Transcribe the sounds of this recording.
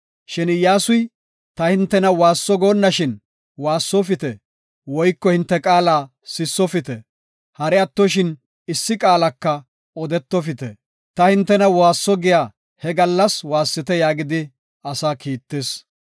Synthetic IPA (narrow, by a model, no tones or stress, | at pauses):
ʃɪnɪjaːsʊj | t̪ɐhɪnt̪ːɛnɐwaːsːɔɡoːnːɐʃɪn | waːsːɔfɪt̪ɛ | wɔjkːɔhɪnt̪ːɛkʼaːlaː | sɪsːɔfɪt̪ɛ | hɐɾɛɐt̪ːɔʃɪn | ɪsːɪkʼaːlɐkːɐ | ɔd̪ɛt̪ːɔfɪt̪ɛ | t̪ɐhɪnt̪ːɛnɐwaːsːɔɡɪjaː | hɛɡɐlːɐswaːsːɪt̪ɛjaːɡɪd̪ɪ | ɐsaːkiːt̪ːeːs